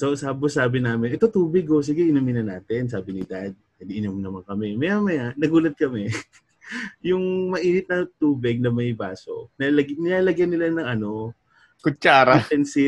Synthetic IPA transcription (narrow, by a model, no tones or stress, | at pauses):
sosaːbosaːbɪnaːmɪnʔɛt̪ot̪uːbɪɡos̬ɪɡɛʔɪnomɪnɐnaːt̪ɪnsaːbɪnɪd̪ad̪̚kɐd̪ɪʔɪnomnɐmaŋkɐmɛmɐjaːmɐjanɐɡuːlɐt̪̚kɐmɛ | jʊŋmɐʔiːnɪt̪̚nɐt̪uːbɪɡ̚nɐmɐjbaːso̞̰nalɐɡnɪlaːlɐɡjanːɪlanɐŋʔɐno̞ | kʊt͡ʃaːɾaɛnsɪ